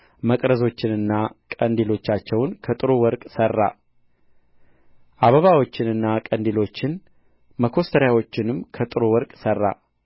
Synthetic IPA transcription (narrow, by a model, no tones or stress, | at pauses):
məkʼɾəzo̞t͡ʃːɪnɨnːakʼənd̪ilo̞t͡ʃːat͡ʃːɛwnkʰət̪ʼɨɾowɔɾkʼsərːa̰ | ʔaβəβawo̞t͡ʃːɪnɨnːakʼənd̪ilo̞t͡ʃːɪn | məkʰo̞st̪ʰəɾjawo̞t͡ʃːɪnɨmkʰət̪ʼɨɾowɔɾkʼsərːa̰